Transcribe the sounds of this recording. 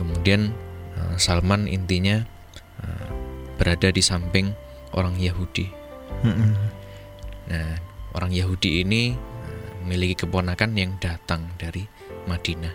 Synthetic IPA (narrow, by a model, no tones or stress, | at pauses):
kəmudianə̰msalmanḭnt̪iɲa | ə̰mb̥əɾadadisampɪŋ | ʔo̰ɾaŋjaɦud̥i | m̩ | naʔo̰ɾaŋjaɦudiːniəmilikikəponakanjaŋdat̪aŋdaɾi | mad̥ina